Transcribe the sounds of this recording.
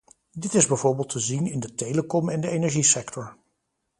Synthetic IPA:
dɪtɪzbɛjvʊːɹbɪːlˠtʰəzinɪndətejləkɔmɛndəejnɛɹʒisɛktɔɹ

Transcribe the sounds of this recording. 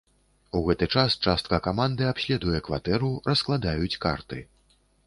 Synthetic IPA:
uɣɛt̪ɨt͡ʂast͡ʂast̪̚kɐkamand̪ɨapsʲlʲɛd̪ujɛkva̰t̪ɛɾurɐsklˠad̪ajut͡sʲka̰rt̪ɨ

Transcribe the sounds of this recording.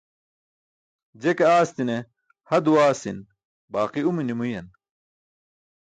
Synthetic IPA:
d͡ʑekɐaːst̪ine | hɐd̪uwaːsin | baːqiuminimujɐn

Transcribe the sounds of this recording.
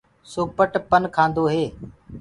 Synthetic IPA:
soːpəʈpənkʰãːnd̪oːɦeː

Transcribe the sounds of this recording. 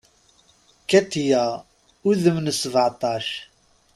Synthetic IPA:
kæt̪ːijæ | uðəmnsːəvʕt̪ˤɑʃ

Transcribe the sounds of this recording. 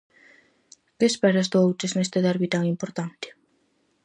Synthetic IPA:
kespɛɾazd̪owt̪esnest̪eðaɾβit̪aŋimpoɾt̪ant̪ɪ̥

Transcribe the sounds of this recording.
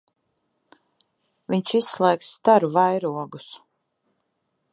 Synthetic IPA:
viɲt͡ʃisːlˠɛːksːt̪aɾuvajɾuɔɡus

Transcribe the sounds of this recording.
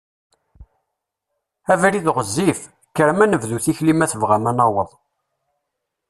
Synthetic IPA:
ævɾiðʁəzːif | kəɾmænəvðuθiçlimæθəvʁæmænɑwəðˤ

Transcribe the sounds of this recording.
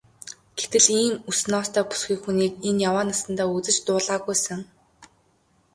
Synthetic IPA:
ɡ̥et̪ɘ̆ɮiːmusnɔːst̪ʰœːpu̥sɡʲiːkxuniːkenjawaːnasə̆nt̪aːut͡sɘ̆t͡ɕt̪ʊːɮaːɣujsə̆ŋ

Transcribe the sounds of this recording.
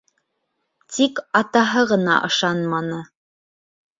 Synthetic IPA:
t̪ʰikɑt̪ɑɦɤʁɤ̆nɑ̰ʔɤ̆ʃɑnmɑnɤ

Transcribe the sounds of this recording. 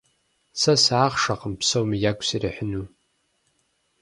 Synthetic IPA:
sasaːχʂaqʼəmpʰsowmijakʷʼsiraħʷᶣnu

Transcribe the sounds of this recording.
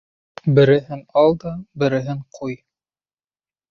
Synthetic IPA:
bɘ̆ɾɘ̆ɦɘnɑlˠd̪ɑbɘ̆ɾɘ̆ɦɘɴqʰuj

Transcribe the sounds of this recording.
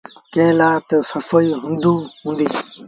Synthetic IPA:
kẽːlaːt̪səfoiːɦʊ̃nd̪ũːɦũːnd̪iː

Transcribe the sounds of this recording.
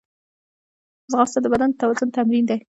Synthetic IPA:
zɣɑst̪ad̪əbad̪and̪ət̪awazʊnt̪amɾind̪aj

